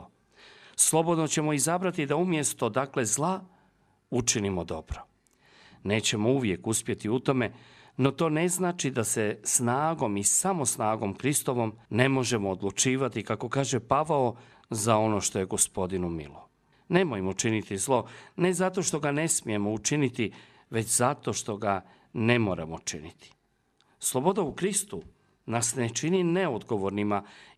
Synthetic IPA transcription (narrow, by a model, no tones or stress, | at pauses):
slˠo̞bo̞d̪no̞t͡ɕe̞mo̞izabɾat̪id̪aumje̞st̪o̞d̪akle̞zlˠa | ut͡ʃinimod̪o̞bɾo | ne̞ːt͡ɕe̞mouʋje̞kuspje̞t̪iut̪o̞me̞no̞t̪o̞ːne̞znaːt͡ʃid̪ase̞snaːɡo̞misamo̞snaːɡo̞mkɾist̪o̞ʋo̞mne̞mo̞ʒe̞moːd̪lˠut͡ʃiːʋat̪ikako̞kaːʒepaʋao | zao̞no̞ʃt̪o̞je̞ɡo̞spo̞d̪inumḭlo | ne̞mojmot͡ʃinit̪izlˠo̞ne̞zat̪o̞ʃt̪o̞ɡane̞smije̞mo̞ut͡ʃinit̪i | ʋe̞t͡ɕzat̪o̞ʃt̪o̞ɡa | ne̞mo̞ːɾa̰mot͡ʃḭnit̪i̥ | slˠobo̞d̪aukɾist̪u | nasnet͡ʃinineod̪ɡo̞ʋo̞ɾnima